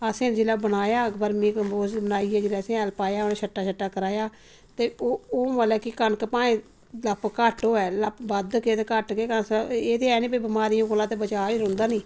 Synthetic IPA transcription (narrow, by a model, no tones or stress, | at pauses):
əsẽːd͡ʒelaːbənaːjaːkbəɾmĩːkəmboːzbənaːiːɛːd͡ʒelaːəsẽːɛlpaːjaːoːneːt͡ʃʰəʈːaːt͡ʃʰəʈːaːkəɾaːjaː | t̪eːoːoːmalɛːkɪkənkpãːẽː | ləpkəʈoːɛːləpbəd̪keːt̪ekəʈkeːkəseːt̪eːɛːnĩːbiːbɪmaːɾijõːkoːlãːt̪eːbət͡ʃaːiːɾõnd̪aːnĩː